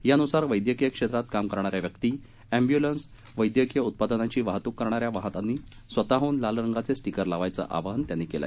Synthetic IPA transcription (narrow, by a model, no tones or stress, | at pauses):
janusaɾʋəjd̪jəkijəkʂet̪ɾat̪kamkəɾɳ̃aɾjaʋjəkt̪iː | æ̃mbjuləns | ʋəjd̪jəkijəut̪̚pad̪nat͡ɕiːʋaɦt̪uːkːəɾɳ̃aɾjaʋaɦt̪anːiːsʋət̪aɦuːnlalɾəŋɡat͡sesʈikəɾlaʋajt͡sə̰ʔa̰ʋaɦənt̪janːikela̰